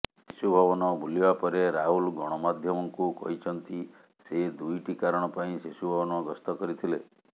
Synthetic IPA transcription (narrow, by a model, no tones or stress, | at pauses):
sisubʱɔβɔnɔbʱulibapɔɾeɾaɦulɡɔɽ̃ɔmad̪ʱjɔmɔŋkukɔ̰ɦit͡ʃʰɔnt̪i | sed̪ujʈikaɾɔɽ̃ɔpaĩsesubʱɔbɔnɔɡɔst̪ɔkɔɾit̪ʰile